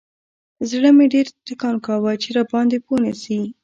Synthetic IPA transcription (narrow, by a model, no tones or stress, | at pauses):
zɽəmeɖeɾt̪ɪkɑnkawət͡ʃeɾɑbɑnd̪eponisi